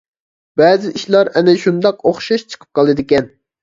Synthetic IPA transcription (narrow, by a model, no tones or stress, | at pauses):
bɛːzɪʔiʃlˠɑɾɛnɪʃund̪ɑqoχʃɑʃt͡ʃʰə̥qʰə̥p̚qʰɑlˠɨd̪ɪkʲɛn